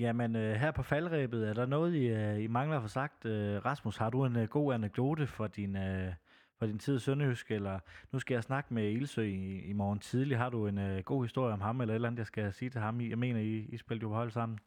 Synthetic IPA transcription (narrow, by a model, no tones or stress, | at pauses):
jæmenøɦæɐ̰pʰɒ̽fælʁɛ̰ːb̥ð̞̩ˠæɐɾ̥ɑ̈nɔ̽ːð̞̩ˠiimɑ̈ŋlɐfɑsɑ̈ɡ̥̚d̥øʁɑ̈smushɑ̈d̥ue̝nɡ̥o̝̰ːæneɡ̥̚d̥o̝̰ːd̥əfɒ̽d̥inø | fɒ̽d̥int͡sʰið̰ˠsønəysɡ̥elɐnusɡ̥æjɑ̈ɪsnɑ̈ɡ̥əmeilsø̰ːimɒːn̩t͡sʰið̞ˠliɦɑ̈ɾ̥ue̝nøɡ̥o̝̰ːhisd̥o̝ɐ̰jəɒ̽mɦɑ̈melɐe̝d̥lænð̩jɑsɡ̥æsiːt͡sʰe̝hɑ̈mjɑ̈ɪme̝̰ːnɐiisb̥eld̥johɒ̽ɪ̰l̰d̥sɑ̈m̰n̩